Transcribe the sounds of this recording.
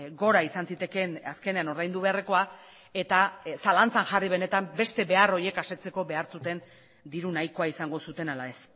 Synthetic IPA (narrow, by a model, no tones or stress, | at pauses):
ɡo̞ɾaisansit̪e̞ke̞naske̞ne̞ano̞ɾðajnd̪uβe̞areko̞a | e̞t̪asalant͡sanʝariβe̞ne̞t̪ambe̞st̪e̞βe̞aro̞je̞kase̞t͡se̞ko̞βe̞aɾt͡sut̪e̞n | d̪iɾunajkoaisaŋɡo̞sut̪e̞nalae̞s